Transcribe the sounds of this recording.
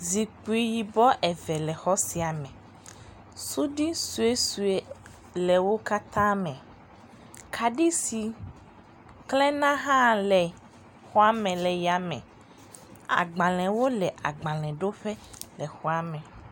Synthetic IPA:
zi˨k͡pu˦˨i˨ji˨bɔ˦ʔɛ˨vɛ˨lɛ˨xɔ˦si˨a˨mɛ̃˨ | su˦ɖi˦su˨e˦su˨e˦ | lɛ˨wo˦ka˦t̪ã˦mɛ̃˨ | kʰa˨ɖi˦si˨ | klɛ̃˦nã˦ɦã˦˨lɛ˨ | xɔ˦a˦mɛ̃˨lɛ˨ja˨mɛ̰̃˨ | a̰˨ɡ͡bã˨lɛ̃˨wo˦lɛ˨ʔa˨ɡ͡bã˨lɛ̃˨ɖo˦ɸɛ˦lɛ˨xɔ˦a˦mɛ̃˨

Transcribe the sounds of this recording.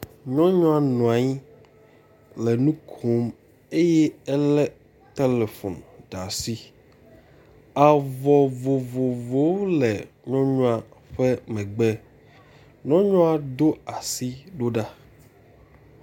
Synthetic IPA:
ɲɔ̃˦ɲɔ̃˦a˨nɔ̃˨a˨ɲi˦ | lɛ˨nũ˦kʰo˦m | e˦jɛ˦ɛ˦lɛ˦ | t̪e˦le˨fo˨nɖa˨si˦ | a˨vɔ˨vo˨vo˨vo˨˦lɛ˨ | ɲɔ̃˦ɲɔ̃˦a˨ɸɛ˦mɛ̃˨ɡ͡bɛ˦ | ɲɔ̃˦ɲɔ̃˦a˨d̪o˦a˨si˦ɖo˦ɖa˦

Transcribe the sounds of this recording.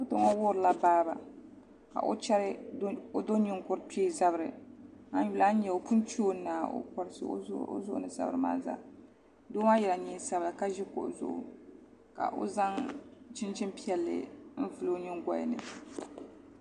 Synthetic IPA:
to˨ŋɔ˦wʊ˦ɾɨ˨la˦baː˦ba̰˨ | ka̰˨ʔo̰˦t͡ʃɛ˦ɾɨ˦o˦do˦ɲi˦ŋkʊ˦ɾpe˦za˦bɨ˦ɾɨ˨a˦n˦ju˨la˦n˦ɲɛ˨o˨pu˦nt͡ʃoː˦nːaː˨o̰˦kɔ˨ɾɨ˦sɨ̰˨˦o̰˦zʊ˦ʔʊ̰˦ɨ˨sa̰˦b̰ɾɨ˦ma̰ː˦za̰˦ | doː˦ma˦jɛ˨la˨ɲɛ˦sa˦bɨ˨ka˦ʒi˦kʊ̰˨ʔzʊ̰˨ʔʊ̰˨ | ka̰˨ʔo̰˦za˦ŋt͡ʃɪ˦nt͡ʃi˦mpi˦ɛ˨lːɨ̰˨n̩˦vɨ˨lo˦ɲɪ˦ŋɡʷa̰˦j̰nɨ̰˨

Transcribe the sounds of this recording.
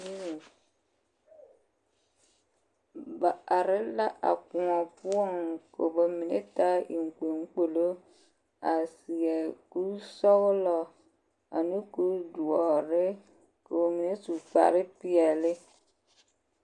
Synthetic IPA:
ba˨a˨ɾe˦la˦ʔa̰˨ku˨ɔ̃˨pu˦a˦˨ŋ˨ko̰˨bo˨mĩ˨nḛ˦t̪a˦ḭ˨ŋ̩˨k͡pe˨ŋ̩˦k͡po˨lo˦ | a˨si˨ɛ˨ku˦sɔ˦wlɔ˦ | a̰˨nũ˦ku˦du˨ɔ˨ɾe˦ | ko˨wo˨mĩ˨ne˦su˨k͡pa̰˨ɾe˦pi˦ɛ˨le˦

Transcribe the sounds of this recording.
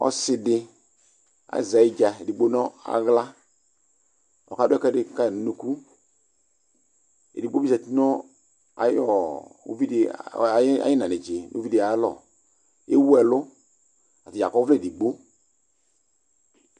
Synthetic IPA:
ɔ̰˦sɪ˧dɪ˧ | a̰˨za˨i˦d͡ʒa˨e˨di˨ɡ͡bo˦nɔ˦a̰˨ɣla˦ | ɔ̰˨ka˨˦dʊ˦kɛ˦dɪ˦ka˦˨n˨nu˦ku˦ | ḛ˨di˨ɡ͡bo˦bi˦sa˨ti˦nɔ˦ | a̰˨jɔ˨o̰˦vi˦d | a̰˦i˦na˨nɪ˨d͡ʒe˨no̰˦vi˦da˨˦lɔ̰˨ | e˦wɛ˨lʊ˦ | a˨tɪ˨a̰˨kɔ˦vlɛ˦˨di˨ɡ͡bo˦

